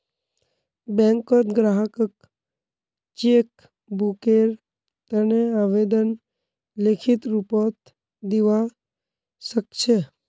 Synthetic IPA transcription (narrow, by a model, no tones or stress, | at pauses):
bɛ̃ːŋkɔt̪ɡɾaːɦəkək | t͡ʃeːk | bukeːɾ | t̪əneaʋeːd̪ən | lekʰɪt̪ɾupɔt̪ | d̪iʋa | səkt͡ʃʰe